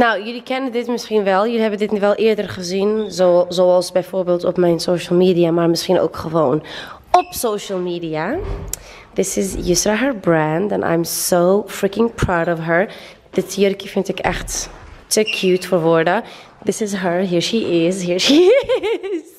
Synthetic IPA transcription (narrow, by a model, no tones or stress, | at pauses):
nawjɨlikɛnədɪtmɪsχinʋɛlˠjʉliɦɛbəndɪtniʋɛlˠʔɪːɹdəɹχəzinzozoːɑlˠsbɛjfoːɹbeːlˠtɔ̰pmɛjnsoːʃəl̩ˠmiːdiamaːɹmɪsχino̰ʊwkχəʋown | ɔpsowʃəlˠmiːdia | ðɪsɪzjəstɾaɦəɹbɹæ̃ndɛ̰̃nʔa̰jmsowfɹɪkɪ̃ŋpʰɹawɾɔfɦəɹ | ðɪtjɔɾkifɪntɪkɛ̰χtːəkʰjuːtfɔːɹʋɔɹdə | ðɪsɪzɦəɹɦiːɹʃiʔɪzɦiːɹʃi | z